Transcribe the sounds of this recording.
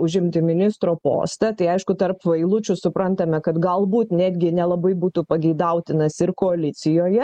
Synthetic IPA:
ʊʒʲɪmʲt̪ʲɪmʲɪnʲɪst̪ɾoːpo̰ːst̪ɐt̪ɐɪɐɪʃkʊt̪ɐrpʋɐɪlˠʊt͡ʃʲʊsʊpɾɐnt̪ɐmʲɛkɐt̪ɡɐlˠbuːt̪nʲæːd̪ʲɡʲɪnʲɛlˠɐbɐɪbuːt̪uːpɐɡʲɛɪd̪ɐʊt̪ʲɪnɐsɪrkoːɐlʲɪt̪t͡s̪ʲɪjoːjɛ

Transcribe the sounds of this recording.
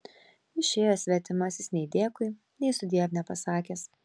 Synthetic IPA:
ɪʃʲeːjoːsʲʋʲɛt̪ʲɪmɐsʲɪsnʲɛɪd̪ʲeːkʊɪ | nʲɛɪsʊd̪ʲiːɛpnʲɛpɐsɑːkʲeːs

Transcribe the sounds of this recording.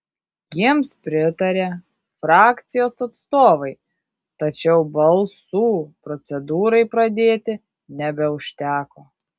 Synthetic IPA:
jiɛmspʲɾʲɪt̪ɐɾʲe | fɾɑːkt̪sʲɪjoːsɐt̪st̪oːʋɐɪ | t̪ɐt͡ʃʲɛʊbɐlˠsuːpɾɔt̪sʲɛd̪uːɾɐɪpɾɐd̪ʲeːt̪ʲɪ | nʲɛbʲɛʊʃʲt̪ʲæːkoː

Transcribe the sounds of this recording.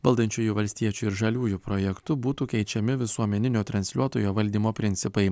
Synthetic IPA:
ʋɐlˠd̪ɐnʲt͡ʃʲuːjuʋɐlʲsʲt̪ʲiɛt͡ʃʲuːɪɾʒɐlʲuːjupɾoːjɛkt̪ʊbuːt̪uːkʲɛɪt͡ʃʲɛmʲɪʋʲɪsuɔmʲɛnʲɪnʲoːt̪ɾɐnʲsʲlʲuɔt̪oːjoːʋɐlʲd̪ʲiːmoːpʲɾʲɪnʲt̪sʲɪpɐɪ

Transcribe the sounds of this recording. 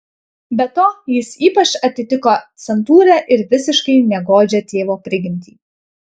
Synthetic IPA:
bʲɛt̪oːjɪsiːpɐt͡ʃɐt̪ʲɪt̪ʲɪkoːt̪sʲɛnt̪uːɾʲɛʔɪɾʋʲɪsʲɪʃkɐɪnʲɛɡoːd͡ʒʲɛt̪ʲeːʋoːpʲɾʲɪɡʲɪmʲt̪ʲiː

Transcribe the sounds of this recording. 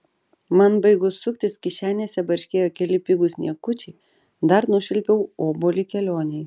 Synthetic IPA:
mɐnbɐɪɡʊsːʊkt̪ʲɪskʲɪʃʲæːnʲeːsʲɛbɐɾʲʃʲkʲeːjoːkʲɛlʲɪpʲɪɡʊsʲnʲiɛkʊt͡ʃʲɛɪ | d̪ɐɾnʊʃʲɪlʲpʲɛʊoːboːlʲɪkʲɛlʲoːnʲɛɪ

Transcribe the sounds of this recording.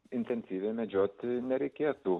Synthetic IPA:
ɪnʲt̪ʲɛnʲsʲiːʋʲemʲɛd͡ʒʲoːt̪ʲnʲɛɾʲɛɪkʲeːt̪u

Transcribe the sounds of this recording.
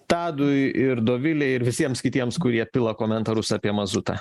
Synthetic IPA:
t̪ɑːd̪ʊjɪɾd̪oːʋʲɪlʲɛɪɪɾʋʲɪsʲiɛmskʲɪt̪ʲiɛmskʊɾʲiɛpʲɪlˠokoːmʲɛnt̪ɐɾʊsɐːpʲiɛmɐzʊt̪ɐ̰ː

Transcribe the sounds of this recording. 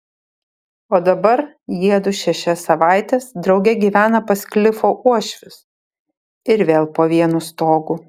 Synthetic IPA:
oːd̪ɐbɐɾ | jiɛd̪ʊʃʲɛʃʲɛsːɐʋɑˑɪt̪ʲeːsd̪ɾɒʊɡʲɛɡʲiːʋʲæːnɐpɐsʲklʲɪfoːʔuɔʃʲʋʲɪs | ɪɾʋʲeːlˠpoːʋʲiɛnust̪oːɡuː

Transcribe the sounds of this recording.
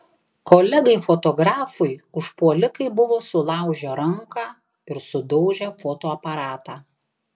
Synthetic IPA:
koːlʲɛɡɐɪfot̪oːɡɾɑːfʊɪʊʃpuɔlʲɪkɐɪbʊʋoːsʊlˠɑˑʊʒʲoɾɐŋkɑː | ɪɾsʊd̪ɔʊʒʲɛfoːt̪oːɐpɐɾɑːt̪ɑː

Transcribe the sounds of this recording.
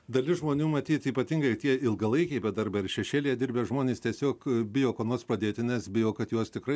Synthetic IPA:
d̪ɐlʲɪʒmoːnʲuːmɐt̪ʲiːt̪ʲiːpɐt̪ʲɪŋɡɐɪt̪ʲiɛɪlˠɡɐlˠɐɪkʲɛɪbʲɛd̪ɐrbɐɪɾʃʲɛʃʲeːlʲijɛd̪ʲɪɾʲbʲeːʒmoːnʲeːst̪ʲiɛsʲoːkbʲɪjoːkonoːspɾɐd̪ʲeːt̪ʲɪnʲɛsbʲɪjoːkɐt̪juɔst̪ʲɪkɾɐɪ

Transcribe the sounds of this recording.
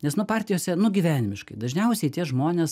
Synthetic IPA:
nʲɛsnʊpɑːrʲt̪ʲɪjoːsʲɛnʊɡʲiʋʲæːnʲɪmʲɪʃkɐɪd̪ɐʒʲnʲɛʊsʲɛɪt̪ʲiɛʒmoːnʲeːs

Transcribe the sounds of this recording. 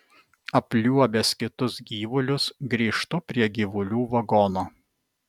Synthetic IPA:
ɐpʲlʲuɔbʲɛskʲɪt̪ʊsɡʲiːʋʊlʲʊsɡɾʲiːʃt̪ʊpʲɾʲiɛɡʲiʋʊlʲuːʋɐɡɔnoː

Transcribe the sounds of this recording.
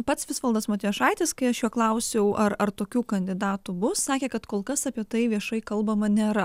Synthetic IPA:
pɐt̪sʋʲɪsʋɐlˠd̪ɐsmoːt̪ʲijɛʃɑɪt̪ʲɪskɐɪɐʃjuɔklˠɐʊsʲɛʊʔɐɾɐrt̪oːkʲuːkɐnʲd̪ʲɪd̪ɑːt̪ubʊssɑːkʲeːkɐt̪koːlˠkɐsɑːpʲiɛt̪ɐɪʋʲiɛʃɐɪkɐlˠbɐmɐnʲeːɾɐ

